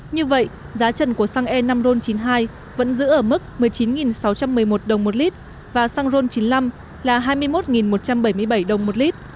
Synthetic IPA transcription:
ɲɨ˧və̰˧˨jʔ | zaː˨˦t͡ɕə˧˩nku˧˩əsa˧ŋʔɛ˧na˧mzo˧nt͡ɕi˨˦nɦaː˧j | və̰˧˥nzɨ̰˧˥ʔəː˧˩mɨ˦˥k̚mɨ˨˩əjt͡ɕi˨˦nŋi˨˩nsa˨˦wt͡ɕa˧mːɨ˨˩əjmo˨˩t̚ɗə˨˩wŋ͡mmo˨˩t̚li˦˥t̚ | vaː˨˩saː˧ŋzo˧nt͡ɕi˨˦nla˧m | laː˨˩ɦaː˧jmɨ˧əjmo˦˥t̚ŋi˨˩nmo˨˩t̚t͡ɕa˧mɓə˧˩jmɨ˧əjɓa˧˩jɗə˨˩wŋ͡mmo˨˩t̚li˦˥t̚

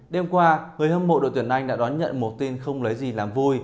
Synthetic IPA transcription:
ɗe˧mkwaː˧ŋɨ˨˩əjhəː˧mo̰˧˨ɗo̰˧˨jt̪nʔa˧jŋ̟ɗa̰ː˧˥ɗɔ˨˦nɲə̰˧˨nmo˨˩t̚t̪i˧nxə˧wŋ͡mlə˨˦jzi˨˩laː˨˩mvu˧j

